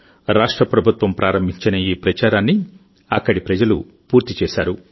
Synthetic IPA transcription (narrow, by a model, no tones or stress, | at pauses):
ɾaːʂʈɾɐpɾɐbʱut̪ʋɐmpɾʔaːɾɐmbʱiɲt͡ʃinɐiːpɾɐt͡ʃaːɾaːnːi | ɐkːɐɽipɾɐd͡ʒɐlṵ | puːɾt̪it͡ʃɛːʃaːɾu